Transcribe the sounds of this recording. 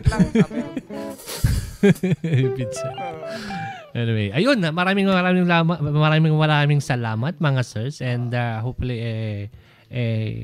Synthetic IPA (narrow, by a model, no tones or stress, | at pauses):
bid̪sa | ʔɛnɪwejʔɐjonamɐɾaːmɪŋmɐɾaːmɪŋlamɐmɐɾaːmɪŋmɐɾaːmɪŋsɐlaːmɐt̪̚mɐŋasɛɹsʔɛ̃nd̪ahowpfʊliʔɛ | ʔɛ